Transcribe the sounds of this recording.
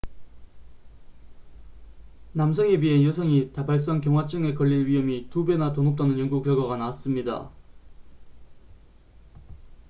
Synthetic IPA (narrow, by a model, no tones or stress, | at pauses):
namsʰʌŋebiɦenjosʰʌŋitabaɭs̬͈ʌŋkjʌŋɦwat͡ɕ͈ʰɯŋe̞kʌʎːiɭɥiɦʌmitube̞natonop̚t͈anɯnjʌŋɡuk̚t͡ɕʌɡaɣanaːs͈ɯmɲida̰